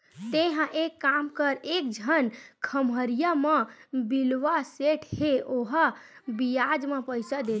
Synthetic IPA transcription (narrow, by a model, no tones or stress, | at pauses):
t̪eɦə̃ʔekːamkəɾek̚d͡ʒʱənkʰəməɾijəməbilʋaseʈʰheʔoɦəbijad͡ʒmepəjsəd̪e